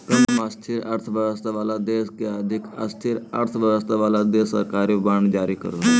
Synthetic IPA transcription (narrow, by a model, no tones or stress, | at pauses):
kəlmast̪ʰiɾə̰ɾt̪ʰʋəʋəst̪ʰaʋalad̪eskeəd̪ʱika̰st̪ʰiɾə̰ɾt̪ʰʋəʋəst̪ʰaʋalad̪esə̰ɾkaɾibəɳɖd͡ʒaɾiːkə̰ɾo